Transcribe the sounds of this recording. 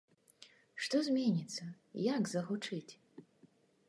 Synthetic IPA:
ʂt̪ɔzʲmʲenʲit̪sːɐ | jakzɐɣut͡ʂɨt͡sʲ

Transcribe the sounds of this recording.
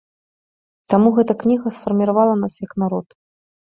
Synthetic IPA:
t̪amuɣɛt̪ɐknʲiɣɐsfɐrmʲiɾavalˠɐnasjɐknaɾɔt̪

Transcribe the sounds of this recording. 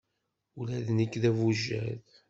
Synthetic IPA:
ulæðnəkːðævuʒːæð

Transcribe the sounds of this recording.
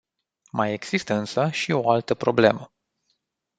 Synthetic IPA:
maje̞ɡz̥ist̪əɨnsəʃio̞alt̪əpɾo̞ble̞mə

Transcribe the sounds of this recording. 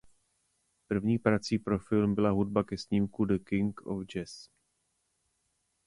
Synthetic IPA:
pr̩vɲiːpɾat͡siːpɾo̞fɪlmbɪlaɦud̚bakɛsɲiːmkudəkɪŋko̰fd͡ʒɛs

